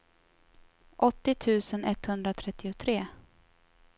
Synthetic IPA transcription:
ʔɔt̪ːɪt̪ʰʉ̟ːsənɛt̪ːhɵnd̪ɾat̪ʰɾɛt̪ːɪʊt̪ʰɾeː

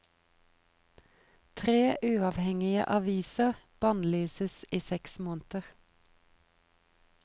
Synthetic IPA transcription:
t̪ʰʁeːʔʉːɑʋhɛŋɪə̰ʔɑʋiːsəʁb̥ɑːnlyːsəsiːsɛksmoːnt̪əʁ

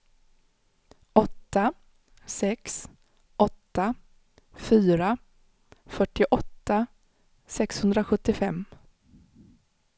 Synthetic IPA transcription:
ɔt̪ːa | sɛks | ʔɔt̪ːa | fyːɾa | fœʈɪʔɔt̪ːa | sɛkshɵnd̪ɾaɧɵt̪ːɪfɛmː

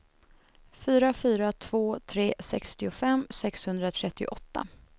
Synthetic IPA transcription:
fyːɾafyːɾat̪ʰv̥oːt̪ʰɾeːsɛkst̪ɪʊfɛmːsɛkshɵnd̪ɾat̪ʰɾɛt̪ːɪʊ̰ʔɔt̪ːa̰

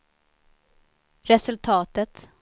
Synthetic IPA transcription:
ɾɛsɵlt̪ʰɑːt̪ət̪

